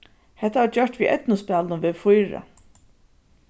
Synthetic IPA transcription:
hɛt̪ːaʋaɾd͡ʒœʂt̪ʋiːʔɛ̰t̪nʊspɛːlnʊʋɪːðfʊjɾa̰

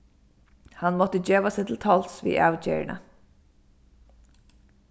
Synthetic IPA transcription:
hɑnmɔt̪əd͡ʒøːʋɑsɪt̪l̩t̪ʰɔlsʋḭːʔɑʊd͡ʒḛːɹ̰ɳə̰

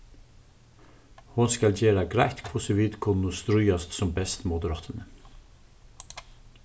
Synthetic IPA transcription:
hʊnskɑld͡ʒeːɾɑɡɾæɪt̪kʰpʰʊsʊʋiːd̪kʰʊnʊst̪ɾʉʏɑst̪sɔmbɛst̪mʊd̪əɾɑːt̪ʰənə

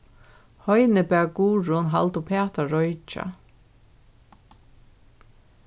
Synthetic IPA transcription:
hɔjnɪpɛːɡuːɹʊnɦa̰lt̪ʊpʰɛːt̪aɹɔjt͡ʃa̰

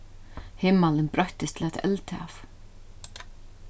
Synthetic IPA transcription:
hɪmːalɪnpɾœɥht̪ɪst̪ʰɪlɛt̪ɛlt̪ɪa̰f

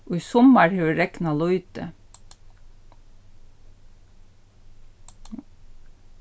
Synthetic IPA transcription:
ʔoːiːsɔməɹhøːɾɛknɑloʉːt̪̚ə̰

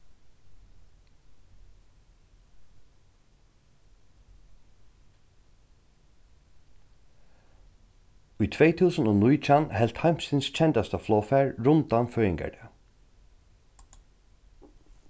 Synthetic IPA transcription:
ʊjt̪ʰvɛjt̪ʰuːsənoːnujt͡ʃʰanhɛl̥t̪hajm̥sɪnst͡ʃʰɛnt̪ast̪aflɔːfæɹɾʊnt̪anfœːjɪŋka̰ɖ̪ɛ

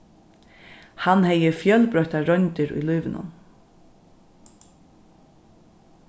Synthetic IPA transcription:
hanhɛjːəfjœlpɾœht̪aɾœnt̪ɪɾṵjlujʋɪnʊ̰n

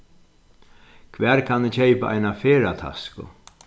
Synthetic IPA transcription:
kʰʋɛːɾkʰanːɪt͡ʃʰejpaʔa̰jnafeːɾat̪ʰa̰skʊ̰

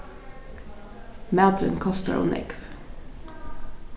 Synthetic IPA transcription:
mæːd̪ɾə̰nkʰɔst̪ə̰ɾo̰ːnʔɪ̰ɡf

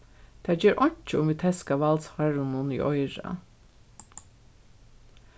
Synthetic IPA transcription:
t̪ʰæːd͡ʒeːɾʔɔɲ̥t͡ʃəʊmʋiːt̪ʰɛskaʋɑlsfaɹʊnʊnḭːʔɔjɹa̰

